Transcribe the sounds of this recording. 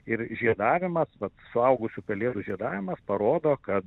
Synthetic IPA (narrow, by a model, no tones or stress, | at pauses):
ɪɾʒʲiɛd̪ɑːʋʲɪmɐsʋɐt̪sʊɐʊɡʊsʲʊpʲɛlʲeːd̪uʒʲiɛd̪ɑːʋʲɪmɐspɐɾoːd̪oːkɐt̪